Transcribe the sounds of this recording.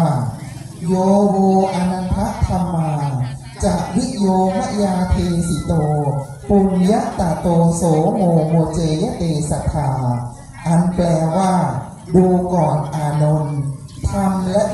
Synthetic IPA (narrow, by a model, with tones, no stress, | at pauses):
joː˧woː˧ʔa˧na˧ŋpʰa˦˥ʔt̪ʰːa˧mːaː˧ | t͡ɕaː˨˩k̚wi˦˥ʔ̪̚joː˧ma˦˥ʔjaː˧t̪ʰeː˧si˨˦t̪oː˧ | pu˧ŋja˦˥ʔt̪a˨˩t̪oː˧soː˨˩˦moː˧woː˧t͡ɕeː˧ja˦˥t̪eː˧sa˧t̪ʰaː˧˩ | ʔa˧nplɛː˧waː˥˩ | duː˧kɔː˨˩nʔaː˨˧no˧nt̪ʰa˧mlɛ˦˥ʔ